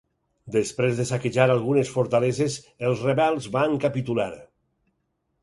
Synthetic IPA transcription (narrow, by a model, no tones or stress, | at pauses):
d̪espɾezðesakeʒaɾalˠɣunesfoɾt̪alezez | elˠzreβɛlˠzβaŋkapit̪ulaɾ